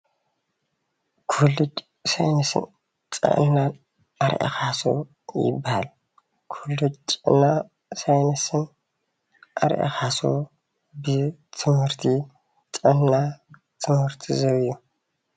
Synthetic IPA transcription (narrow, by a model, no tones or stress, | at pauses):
kʰulut͡ʃʼ | sajnɐsɨ̰n | t͡sʼɐ̰ʔɨnːa | aɾʔɐ̰xaso̰ | jɪ̰bːaha̰l | kʰulːut͡ʃʼnːa | sajnɐsɨn | ʔaɾʔɐ̰xaso̰ | bɨt̪ʰɨmhɨɾt̪ʰi | t͡sʼɐnːa | t̪ʰɨmhɨɾt̪ʰizɐβju